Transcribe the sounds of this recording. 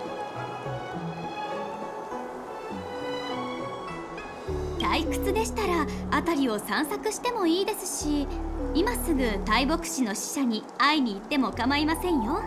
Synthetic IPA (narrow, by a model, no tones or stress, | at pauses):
d̪aikɯ̟̥t͡sɨd̪e̞ɕi̥t̪aɾaat̪aɾʲio̞sãɰ̃sakɯ̟ɕi̥t̪e̞mo̞iːd̪e̞sɨ̥ɕiimasɨɡɯ̟t̪aibo̞kɯ̥ɕino̞ɕi̥ɕaɲ̟i | aiɲ̟iːt̪ːe̞mo̞ɯkamaimasẽ̞ɰ̃jo̞